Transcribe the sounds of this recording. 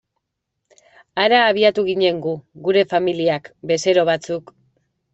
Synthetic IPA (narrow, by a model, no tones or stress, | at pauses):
aɾaːβ̞iat̪uɣiɲe̞ŋɡuɣuɾe̞familiakbe̞se̞ɾo̞β̞at͡suk